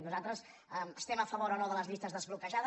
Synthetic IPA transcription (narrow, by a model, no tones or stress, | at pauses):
nuzalˠt̪ɾəs | əməst̪ɛməfəβoɾonoðələzʎist̪əzðəzβlukəʒað